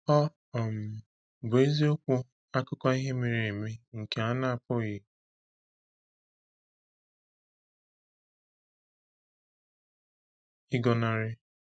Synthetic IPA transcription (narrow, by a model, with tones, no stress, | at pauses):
ɔ˦ | ɔ˨m̩˨ | bʊ˨e˦zi˦o˦kʷʊ˦ | a˦kʊ˦kɔ˦i˦ɦe˦me˨ɾi˨e˨me˦ŋ̩˨ke˨a˦na˦a˦˨pʊ˦ɣɪ˨ | ɪ˦ɡɔ˨na˦ɾɪ˦